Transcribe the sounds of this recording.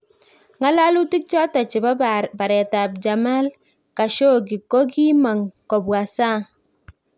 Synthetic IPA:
ŋa˦la˦lu˦ti˦k̚t͡ʃɔ˦ta˨t͡ʃi˨ba˦ba˨ba˨ɾɛ˨ta˨p̚d͡ʒa˨ma˦l | ka˨ʃo˦˨ɡi˨ko˦ɡi˦ma˨ŋkɔ˨bwa˨sa˦˨

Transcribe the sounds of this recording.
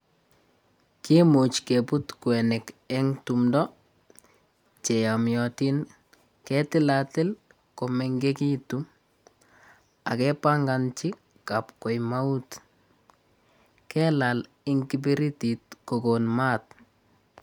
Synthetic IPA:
ki˦mu˨t͡ʃke˨pu˦tkwɛ˨nɛ˨kɛ˦ŋtu˨mdɔ˦ | t͡ʃe˨ja˨mjɔti˦n | kɛ˦tɪ˦la˨tɪ˦l | ko˨mɛ˨ŋɡe˦ki˦tum | a̰˨kɛ˦pa˦ŋɡa˨nt͡ʃi˦ | ka˨pko˨jma˦u˦t | kɛ˦la˨l | ɪŋki˦pi˦ɾi˦tit̚ko˨ko˨nma˦t̚

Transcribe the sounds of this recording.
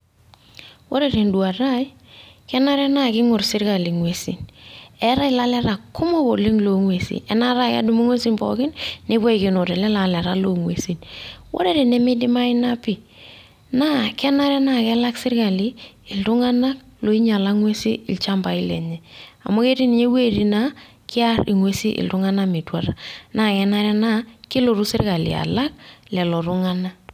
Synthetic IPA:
wo˦ɾe˦ɾe˨ndu˨a˨ɾa˦j | kɛ˦na˦ɾɛ˦na˦˨kɪ˦ŋʊ˨ɾsɪ˦ɾka˨li˨ŋwe˨sḭ˨nɛ˦ɾa˦ɪ˨la˦lɛ˦ɾa˨kʊ˦mɔ˦bo˨lɪ˦ŋlo˨ŋwe˨sḭ˨ʔɛ˦na˦ɾa˦ka̰˦du˦mu˦ŋwe˦si˦nbɔ̰˨kɪ˦nne˦bɔ˦i˨kɪ˨no˨ɾɛ˨lɛ˦la˨lɛ˨ɾa˦lo˨ŋwe˨si˨nwʔo̰˦ɾe˦ɾe˨nɛ˦mɪ˦dɪ˦ma˦ɪ˦na˦pɪ˨ | na˦kɛ˦na˦ɾɛ˦na˦˨kɛ˦la˦ksɪ˦ɾka˨lɪ˦ɪ˨ltʊ˦ŋa˦na˦k̚ | lo˨i˦ɲa˨la˦ŋwe˦sḭ˦ɪ̰˨lt͡ʃa˦mba˨ɪ˦lɛ̰˨ɲɛ˨a̰˨mo˦ke˦ti˦nɪ˨ɲe˦we˦˨ɾi˨na˦ | kɪ˦a˦ɾɪ˨ŋwe˦si˦ʔɪ̰˨ltʊ˦ŋa˦na˦mɪ˨twa˨ɾa˨na˦˨kɛ˦na˦ɾɛ˦na˦kɪ˦lo˨ɾu˦sɪ̰˦ɾka˨lɪ̰˨a̰˨la˦k̚lɛ˨lɔ˨ɾʊ˦ŋa˦na˦

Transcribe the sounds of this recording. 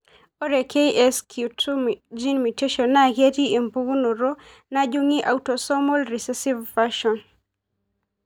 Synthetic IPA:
o˦ɾe˨ke˦iʔɛ˦skʰjutd͡ʒi˦nmi˨te˦ʃɔnːa˦˨ɡe˦ti˦e˨mbu˦ɡu˦no˨ɾo˦ | na˦d͡ʒuŋi˦ʔa˨utosɔ˦mɔ˦lɾi˨sɛsi˦vːaʃɔn

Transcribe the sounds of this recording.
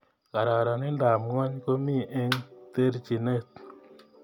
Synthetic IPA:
ka˨ɾa˨ɾa˨nɪ˦nda˨mŋɔ˦ɲko˦mi˦˨ʔe˦ɲt̪e˦ɾt͡ʃi˨ne˦t̪̚

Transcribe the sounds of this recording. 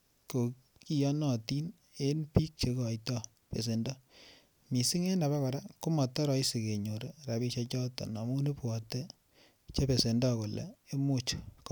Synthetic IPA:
ko˨ | ki˦jɔ˦nɔ˨ti˦n | e˦npi˦k̚t͡ʃe˦kːjtɔ˦ | pḛ˨s̬e˨ndɔ˦ | mi˨si˦ŋe˦na˨βa˦ka˨ɾa˦ku˦mɔ˨tːɔ˦ɾɔ˦i˦si˨ke˨ɲo˨ɾe˨ɾa˨bi˦ʃa˦t͡ʃɔ˦tɔ̰˨nɔ˨mu˦ni˦pɔ˨te˦ | t͡ʃe˦pe˨se˨ndɔ˦ko˨lḛ˨e˦mo˦t͡ʃk

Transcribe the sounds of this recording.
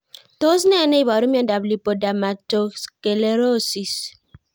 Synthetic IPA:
to˦s̬nɛ˦nɛ˦i˨ba˨ɾu˦m˦ɛ˦nda˨bli˨po˨da˨ma˨to˨ske˨le˨ɾo˦si˨s

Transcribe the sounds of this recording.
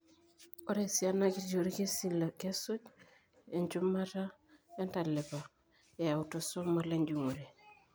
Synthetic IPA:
o˦ɾe˨si˨a˦na˦ki˦d͡ʒo˨ɾi˦ke˦si˦la˨ke˦so˦d͡ʒ | e˨ɲt͡ʃu˦mːa˦ta˦ | e˦nta˨le˨pa˨ | e˨ja˨u˨to˨so˦mo˦le˦ɲd͡ʒu˨ŋu˨ɾe˨

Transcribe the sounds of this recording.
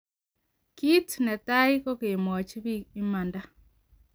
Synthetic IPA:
ki˦tnɛ˨ta˦i˦kɔ˦ke˨mɔ˨ɔ˨t͡ʃi˦βi˦i˦ma˨nda˦

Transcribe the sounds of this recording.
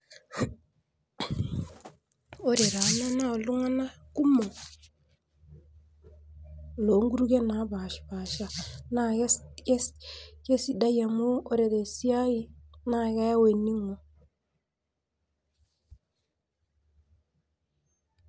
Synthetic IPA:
o˦ɾe˨ɾa˨˦na˦na˦o˨lu˦ŋa˦na˦ | ku˦mo˨ | lo˨ŋɡu˦ɾu˦ɡe˦na˨˦ba˨ʃba˨ʃa˨na˦ke˦ske˦si˨da˦ja˨mu˦o˦ɾe˨de˨si˦a˦ji˦na˦ka˦ja˦we˨ni˦ŋo˨

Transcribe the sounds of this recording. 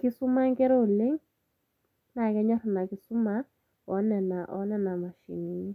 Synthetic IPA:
kɪ˦su˦ma˦ŋkɛ˦ɾɔ˦˨le˦ŋ | na˨kɛ˦ɲɔ˦rna˨ki˦su˦ma˦ | ɔ˨˦nɛ˨na˨ʔɔ˨˦nɛ˦na˨ma˨ʃḭ˨ni˨ni˦

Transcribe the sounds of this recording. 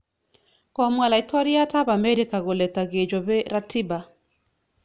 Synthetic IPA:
kɔ˨mwa˨la˨i˨tʰɔ˦ɾi˦a˦ta˦ba˨mɛ˦ɾi˦ka˨ɣo˨lɛ˨ta˨ɡe˨d͡ʒɔ˨be˦ɾa˦ti˦ba˨

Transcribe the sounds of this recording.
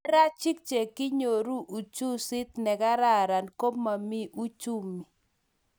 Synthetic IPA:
ɾa˦t͡ʃɪ˦k̚t͡ʃe˨kɪ˦ɲo˨ɾu˦ʔu˨t͡ʃu˦sɪ˦t̪nɛ˨ɡa˦ɾa˦˨ɾa˨nko˦mːa˨mi˦ʔu˦t͡ʃu˦mi˨

